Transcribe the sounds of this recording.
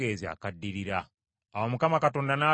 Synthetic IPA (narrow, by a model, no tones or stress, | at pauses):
ezia̰kadːiɾiɾaː | womukamakatoːndanaː